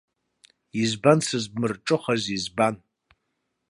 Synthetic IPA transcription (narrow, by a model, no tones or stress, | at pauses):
izbansɨzbmɨrʈ͡ʂʼɨχazizban